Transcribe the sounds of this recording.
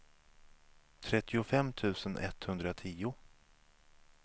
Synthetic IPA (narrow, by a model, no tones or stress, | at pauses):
t̪ʰɾɛt̪ːɪʊfɛmːt̪ʰʉ̟ːsənʔɛ̰t̪hɵnd̪ɾat̪ʰiːʊ